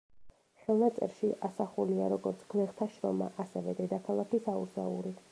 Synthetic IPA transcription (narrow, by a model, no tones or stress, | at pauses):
χɛlˠnat̪sʼɛ̰ɾʃiʔasaχuliaɾɔɡɔɾt̪sʰɡ̥lɛχt̪ʰaʃɾɔma̰ʔasɛvɛd̪ɛd̪akʰalˠakʰisauɾsa̰uɾi